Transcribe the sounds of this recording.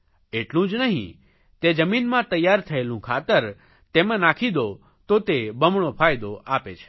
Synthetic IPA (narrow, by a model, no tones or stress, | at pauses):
eʈlũd͡ʒnəɦḭ̃ | t̪ed͡ʒəminmãt̪əjːaɾt̪ʰəelũkʰat̪əɾ | t̪emãnakʰid̪o | t̪ot̪ebəmɳ̃opʰajd̪oʔapet͡ʃʰe̥